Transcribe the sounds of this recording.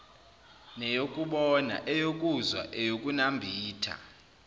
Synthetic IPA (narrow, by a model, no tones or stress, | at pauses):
nɛjokʼuɓɔna̰ʔɛjok̬ʼuzwa̰ʔɛjok̬ʼunambʱiːtʰa̰